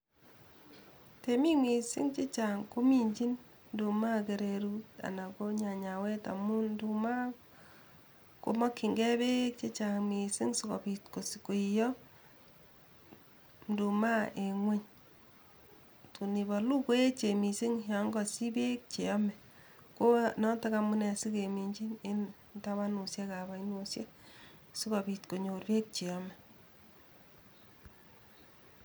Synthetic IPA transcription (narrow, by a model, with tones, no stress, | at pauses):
te˨mi˦ŋi˨si˦ŋt͡ʃe˦t͡ʃa˨ŋko˦mi˦ɲd͡ʒi˦n | ndu˨ma˦ke˨ɾe˨ɾu˦ta̰˨na˨ko˦ɲa˨ɲa˨wɛ˦ta̰˨mu˦ndu˨ma˦ | ko̰˦mɔ˦kːi˨ŋɡɛ˦be˦k̚t͡ʃe˦t͡ʃa˨ŋmi˨sɪ˦ŋso˨kɔ˨bi˨tko˨si̥˨ko˨i˨jɔ˦ | ndu˨ma˦e˨ŋwe˦ɲ | tu˨ni˨ba˨lu˦ko˦e˦t͡ʃe˨mi˨si˦ŋja˨˦ŋɡɔ˨si˦be˦k̚t͡ʃe˨ɔ˦mɛ˨ | ko˦nɔ˦ta˦ka˨mu˦nɛ˨si˦ke˨mi˨ɲd͡ʒi˦ne˦n | nta˦βa˦nu˨sja˦ka˨ba˨i˦no˨sje˦ | si˦kɔ˨bi˨tko˨ɲo˨rbe˦k̚t͡ʃe˨jɔ˦mɛ˨